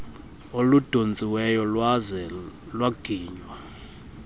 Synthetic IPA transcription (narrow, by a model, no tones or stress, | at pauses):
olud̥ʱond͡zʱiwɛjɔlzɛ | lwaɡ̥ʱiːɲwa